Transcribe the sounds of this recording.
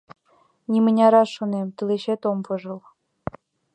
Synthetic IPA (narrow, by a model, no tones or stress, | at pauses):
nʲimɘ̆nʲɑɾɑʃonemt̪ɘleʃet̪omvɤ̆ʒɤ̆lˠ